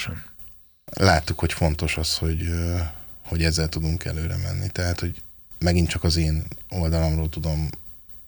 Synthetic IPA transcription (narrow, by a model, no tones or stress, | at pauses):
laːt̪ːukho̞cfo̞n̪t̪o̞ʃɒsho̞ɟ | ho̞ɟɛzːɛlt̪ud̪uŋkɛ̰løːɾɛ̰mɛ̰nːit̪ɛɦaːt̪ho̞ɟ | mɛɡint̪t͡ʃɒkɒzeːno̞ld̪ɒlo̞mroːlt̪ud̪o̞m